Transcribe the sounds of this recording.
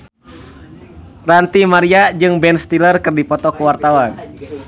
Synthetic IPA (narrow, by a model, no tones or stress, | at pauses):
rant̪imaɾiad͡ʒɨŋbɛnst̪ilərkɨrdipɔt̪ɔkuwart̪awan